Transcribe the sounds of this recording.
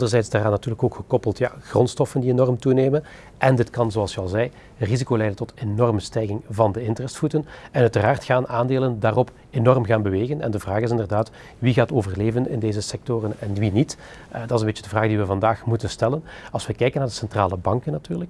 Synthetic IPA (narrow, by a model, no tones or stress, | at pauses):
ɑndərzɛjtzdaːraːnːɑtyːrləkoːkxəkɔpəlˠtja̰ːɣrɔntstɔfəndienɔrmtuneːmən | ʔɛndɪtkɑnzoɑlˠsəɑlˠzɛj | rizikoːlɛjdəntɔtenɔrməstɛjɣɪŋvɑndəɪntərɛstfutənɛnœɥtəraːrtxaːnaːndeːləndaːrɔp | enɔrmɣaːnbəʋeːɣənɛ̰ndəvraːxɪsɪndərdaːt | ʋiɣaːtoːvərleːvənɪ̰ndeːzəsɛk̚torənɛnʋinit | dɑtɪsənbeːt͡ʃədəvraːɣdiʋəvɑndaːxmutənstɛlənɑlˠswʋəkɛjkənːaːrdəsɛntraːləbɑŋkənatyːrlək